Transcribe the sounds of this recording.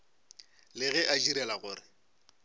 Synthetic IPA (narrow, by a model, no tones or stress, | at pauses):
lɪɣɛʔad͡ʒiɾɛlaɣʊːrɪ